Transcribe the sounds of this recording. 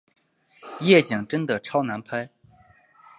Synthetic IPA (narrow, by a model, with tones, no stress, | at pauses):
jɛ˥˩t͡ɕi˨˩ŋʈ͡ʂə˥nd̪ə˨ʈ͡ʂʰɑ˥ʊna˧˥npʰa˥ɪ